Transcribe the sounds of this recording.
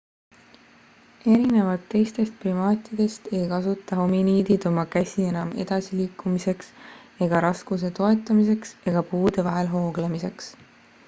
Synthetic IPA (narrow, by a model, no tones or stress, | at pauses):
e̞ɾine̞vɑt̪ːe̞jst̪e̞st̪̚primɑːt̪ʲːˑid̪̥e̞st̪e̞jkɑsut̪ːˑɑɦo̞miniːd̪̥id̪̥o̞mɑkæsʲie̞nɑme̞̰d̪̥ɑsiliːkːˑumise̞ks | e̞ɡ̥ɑɾɑskus̬e̞t̪o̞e̞t̪ːˑɑmis̬e̞kse̞ɡ̥ɑpuːd̪̥e̞vɑɦe̞lɦo̞ːɡ̥lemise̞ks